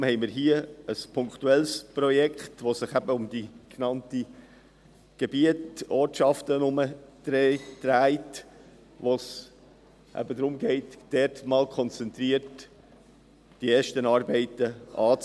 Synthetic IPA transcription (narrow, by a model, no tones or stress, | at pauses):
mhɛɪmɪːɾɦiəəspʰʊŋkχtuɛlsprɔjɛkχtvosɪχæbəʊmdiknɑnti | ɡ̥ebiətɔːtʃɑftənʊməd̥ɾɛd̥ɾæɪt | ʋos | ʔæ̰bədɾʊmɡɛɪtd̥ɛɾtmɑːlkʰχɔnt͡sɛntɾiəɾt | d̥ieːʃtənɑːɾbɛɪtəʔɑːt͡s